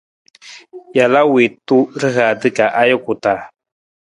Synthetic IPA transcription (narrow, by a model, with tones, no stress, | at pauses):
ja˨la˦we˨tu˦ɾɨ˦ɦa˨dɨ˦ka˨ʔa˦jo˦ku˨ta˨